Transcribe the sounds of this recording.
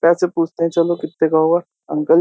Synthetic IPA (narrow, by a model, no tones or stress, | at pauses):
pɛːsepuːt͡ʃʰt̪eɦɛ̃t͡ʃɐlokɪt̪ːekaɦua | ɐ̰̃ŋkəl